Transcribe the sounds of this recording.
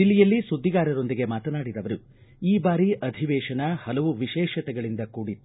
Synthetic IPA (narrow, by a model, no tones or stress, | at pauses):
ilːijɐlːisud̪ːiɡaːɾɐɾo̞nd̪iɡe̞maːt̪ɐnaːɽid̪ɐʋɐɾu | iːbaːɾiʔɐd̪ʱiʋɛːʂɐnɐhɐlɐʋuʋiʃɛːʃɐt̪ɛɡɐɭind̪ɐkuːɽit̪ːu